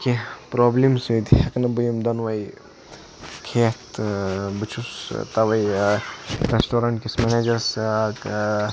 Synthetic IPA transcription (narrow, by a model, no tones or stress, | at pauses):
kipɾoːblimsut̪hɐknɐbujimd̪ɐnʋɐj | kʰeːt̪bɨt͡ʃʰust̪ɐʋɐj | ɾesʈoːɾɐɳʈkismeneːd͡ʒɐɾs